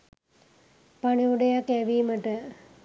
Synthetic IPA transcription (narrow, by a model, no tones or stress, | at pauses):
paɳiuɖejakːæʋiːməʈə